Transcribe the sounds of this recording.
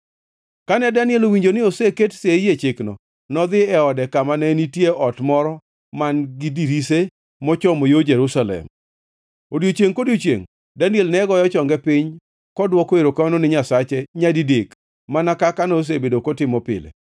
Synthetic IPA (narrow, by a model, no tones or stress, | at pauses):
kanɛdanɪɛlowiɲd͡ʒonɪoseketsejet͡ʃɪknɔ̰ | nɔd̪ɪɛɔdɛkamanɛnitjeʔɔtmɔɾɔ | manɡɪdiɾise | mɔt͡ʃɔmojod͡ʒeɾusalɛ̰m | odjot͡ʃeŋkodjot͡ʃḛŋ | danɪɛlnɛɡɔjɔt͡ʃɔŋɡɛpɪɲ | kɔdwɔkoeɾokamanonɪɲasat͡ʃeɲadidek | manakakanos̬ebedokɔtɪmɔpɪ̰lḛ